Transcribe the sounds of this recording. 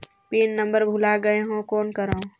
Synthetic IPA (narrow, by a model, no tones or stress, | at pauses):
piːnːə̃mbəɾbʱʊlaɡəeɦõkoːnkəɾõː